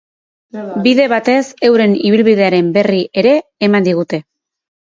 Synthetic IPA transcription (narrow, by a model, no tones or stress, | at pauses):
biðe̞βat̪e̞se̞wɾe̞niβ̞ilβiðe̞aɾe̞mbe̞riʔe̞ɾe̞ːmand̪iɣ̞ut̪e̞